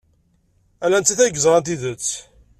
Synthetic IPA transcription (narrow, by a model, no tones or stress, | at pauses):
ælænt̪ːiθæɡzɾˤɑnt̪̬iðət͡sː